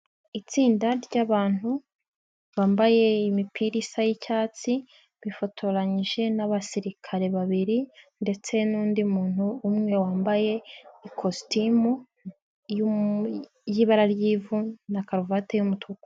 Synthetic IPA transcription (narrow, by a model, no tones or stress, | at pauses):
it͡siːndaɾɟaβaːn̥hu | βaːmbaje̞imipʰiɾisajicaːt͡si | βifo̞tʰo̞ɾaɲiʒe̞naβasiɾikʰaɾe̞βaβiɾinde̞t͡se̞nuːndiumuːn̥huːmŋe̞waːmbaje̞ikʰostimu | ju | jiːβaɾaɾjiːvunakaɾovatejumutuko